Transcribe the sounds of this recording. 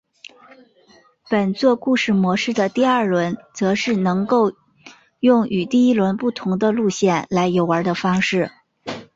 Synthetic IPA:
pə˨˩nt͡swɔ˥˧ku˥˧ʂɻ̩˥˩mwɔ˧˥ʂɻ̩˥˩d̪ə˩t̪i˥˧ɐ˞˥˩lwə˧˥nt͡sɤ˧˥ʂɻ̩˥˩nɤ˧˥ŋko˥˧ʊ | jʊ˥˩ŋy˨˩t̪i˥˩i˥lwə˧˥npu˥˩t̪ʰʊ˧˥ŋd̪ə˧lu˥˧ɕjɛ˥˩nla˧˥ɪjo˨˩ʊə˞˧˥d̪ə˧fɑ˥ŋʂɻ̩˥˩

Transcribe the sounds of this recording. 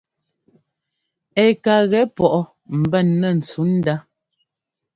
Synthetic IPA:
ɛ˨ka˨ɣɛ˨˦pɔ˨ʔɔ˦ | m̩˨bɛ˦˨nːə˨n̩˨t͡su˨˦n̩˦da˦

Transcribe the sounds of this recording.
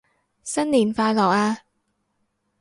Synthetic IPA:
sɐ˥nliː˨˩nfaː˧jlɔː˨˩k̚aː˧

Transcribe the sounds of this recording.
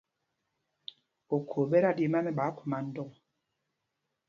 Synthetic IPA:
o˨kʰo˨bɛ˦ɾa˦di˦˨ma˦mɛ˦ɓa˨˦ku̥˨ma˨n̩˦dɔ˦˨

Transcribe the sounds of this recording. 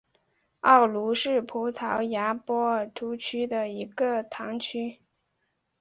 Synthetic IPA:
ɑ˥˩ʊlu˧˥ʂɻ̩˥˩pʰu˧˥t̪ʰɑ˧˥ʊja˧˥pwɔ˥t̪ʰu˧˥t͡ɕʰy˥d̪ə˨i˧˥ɡə˧t̪ʰɑ˧˥ŋt͡ɕʰy˥

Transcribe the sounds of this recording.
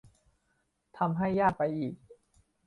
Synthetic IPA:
t̪ʰa˧mɦa˥˩jːaː˥˩k̚pa˧jʔiː˨˩k̚

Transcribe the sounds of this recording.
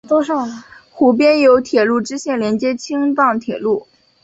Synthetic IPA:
t̪o˥ʂo˥˩xu˧˥p̬jɛ˥njo˧˥ʊt̪ʰjɛ˨˩lu˥˩ʈ͡ʂɻ̩˥ɕjɛ˥˩nljɛ˧˥nt͡ɕjɛ˥t͡ɕʰi˥ŋt̪ɑ˥˩ŋt̪ʰjɛ˨˩lu˥˩

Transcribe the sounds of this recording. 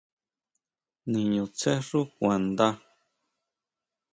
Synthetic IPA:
nĩ˨ɲũ˨t͡se˦ʐu˦kʷã˨nd̪a˦

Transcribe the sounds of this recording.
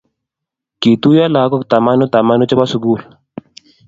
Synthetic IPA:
ki˨t̪u˦ja˦la˨˦kɔ˦t̪a˨ma˦no˦t̪a˨ma˦nu˦t͡ʃɛ˦ba˦su˨ɡu˦˨l

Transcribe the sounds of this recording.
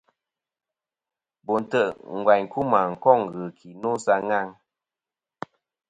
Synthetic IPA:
bɔ˨n̩˨tə˦˨ʔŋ̩˨ɡwa˨ɲku˦ma˨ŋ̩˨kɔ˦˨ŋ˨ɣɨ˨kʰi˨no˦sa˧ŋa˦ŋ

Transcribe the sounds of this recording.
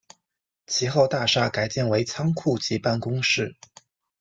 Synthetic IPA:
t͡ɕʰi˧˥xo˥˧ʊt̪a˥˧ʂa˥˩ka˨˩ɪt͡ɕjɛ˥˩nwe˧˥ɪt͡sʰɑ˥ŋkʰu˥˩t͡ɕi˧˥pa˥˩nkʊ˥ŋʂɻ̩˥˩

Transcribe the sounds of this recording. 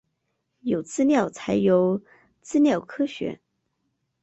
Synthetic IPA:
jo˨˩ʊt͡sɹ̩˥˧ljɑ˥˩ʊt͡sʰa˧˥ɪjo˧˥ʊ | t͡sɹ̩˥˧ljɑ˥˩ʊkʰɤ˥ɕɥɛ̰˧˥

